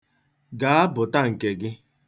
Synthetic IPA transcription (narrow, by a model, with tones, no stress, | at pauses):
ɡa˨˦a˦bʊ˨ta˦ŋ̩˨ke˨ɡɪ˦